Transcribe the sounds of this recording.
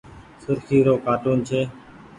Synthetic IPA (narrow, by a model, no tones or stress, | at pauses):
sʊɾkʰiːɾoːkaːʈuːnt͡ʃʰeː